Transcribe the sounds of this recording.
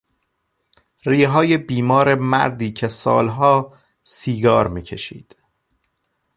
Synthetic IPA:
riːɦɒːjebiːmɒːɾe̞mæ̰ɾd̪iːcʰesɒ̰ːlɦɒː | siːɡɒːɾmiːcʰe̞̰ʃḭːd̪̥

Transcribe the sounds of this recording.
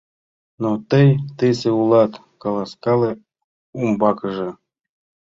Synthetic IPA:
not̪əjt̪ɨsʲeulˠɑt̪ | kɑlˠɑskɑlˠe | umbɑkəʐɤ̆

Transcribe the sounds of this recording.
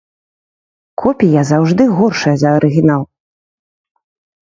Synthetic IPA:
kʰɔpʲijazawʐd̪ɨɣɔrʂɐjɐzɐɐɾʔɨɣʲinalˠ

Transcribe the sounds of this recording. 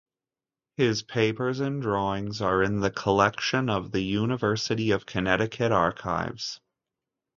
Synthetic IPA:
hɪz̥pʰeɪpə˞zɨ̃ndɹɔɪ̃ŋzə˞ɪ̃nðɨkʰəlɛkʃɨ̃nʌvðɨjʉnɨvɜ˞sɨɾiʌv̥kʰɨnɛɾɨkʰɨɾɑɹkʰa̰ɪvz̥

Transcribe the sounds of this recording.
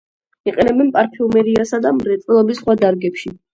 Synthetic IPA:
iqʼɛnɛbɛnpʼaɾpʰiumɛɾiasad̪amɾɛt̪sʼɛlˠɔbisχwad̪aɾɡɛpʃi

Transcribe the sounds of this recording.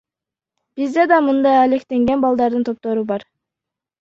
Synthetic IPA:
b̥izd̪ed̪ɑmɯnd̪ɑjɑlekt̪e̞ŋɡe̞nbɑlˠd̪ɑɾd̪ɯnt̪ʰo̞p̚t̪o̞ɾubɑɾ

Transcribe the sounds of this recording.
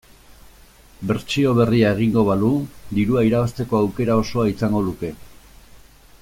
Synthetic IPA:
be̞ɾt͡ʃio̞β̞e̞riae̞ɣ̞iŋɡo̞βalud̪iɾuaiɾaβast̪e̞ko̞awke̞ɾao̞so̞aisaŋɡo̞luke̞

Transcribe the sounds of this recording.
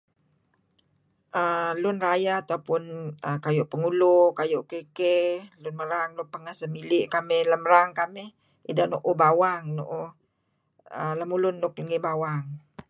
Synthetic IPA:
ʔəlʊnrajaat̪awpʊnəkajoʔpəŋulokajoʔkekelʊnməɾaŋlʊpəŋasəmilɪʔkamɪhləməɾaŋkamɪh | ḭdahnoʔubawaŋno̰ʔo | ələmulʊnːʊk̚ləŋibawaŋ

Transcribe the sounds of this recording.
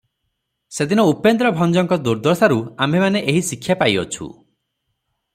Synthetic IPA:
sed̪inɔupend̪ɾɔbʱɔnd͡ʒɔŋkɔd̪uɾd̪ʱɔɾsaɾuambʱemaneʔeɦisikʰːjapajɔt͡ʃʰṵ

